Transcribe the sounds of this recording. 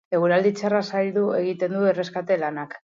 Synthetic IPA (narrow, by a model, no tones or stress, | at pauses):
e̞ɣ̞uɾald̪it͡sarasajld̪ue̞ɣ̞it̪e̞nd̪uere̞skat̪e̞lanak